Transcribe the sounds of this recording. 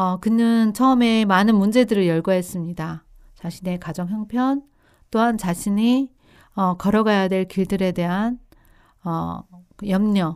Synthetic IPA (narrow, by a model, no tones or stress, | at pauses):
ʌkɯnɯnt͡ɕʰʌɯme̞manɯnmund͡ʑe̞dɯɾɯɭjʌɭɡʌɦe̞s͈ɯmɲida | t͡ɕaɕʰine̞kad͡ʑʌŋjʌŋpʰjʌn | t͈oɦant͡ɕaɕʰiɲi | ʌkʌɾʌɡajadwe̞ɭkiɭdɯɾe̞de̞ɦan | ʌjʌmɲʌ